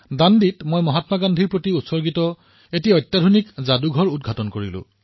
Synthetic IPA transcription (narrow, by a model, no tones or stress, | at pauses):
danditmojmɔɦatmaɡandʱiɹpɹotiutsɔɹɡitɔ | etiɔjtːjadʱunikzaduɡʱɔɹudɡʱatɔnkoɹḭlʊ̰̃